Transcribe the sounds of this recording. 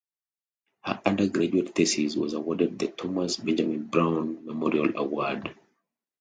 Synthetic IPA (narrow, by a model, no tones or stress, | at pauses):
hə̰ʔãndəɡɹad͡ʒuettɛsizwɔ̰zawɔdɛd̚ðɨtʰɔmasbɛ̃nd͡ʒamĩnbɹãʊ̃nmɛmɔɹiala̰wɔd